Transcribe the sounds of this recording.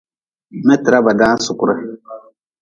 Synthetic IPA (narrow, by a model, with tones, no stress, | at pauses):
mɛ˦tɪ˨ɾa˦ba˨daː˦n˦sʊ˨kʊ˦ɾa˦